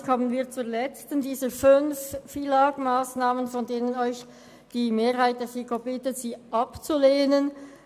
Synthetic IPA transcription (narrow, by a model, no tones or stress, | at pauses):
kʰɔmənviːɐt͡suːɐlɛt͡stəndiːzəfʏnfːilaːɡmaːsnaːmənfɔndeːnənɔʏç | d̥iːmeːʁhaɪt̚d̥ɛːsikobɪtəz̥iːʔɑpt͡suleːnən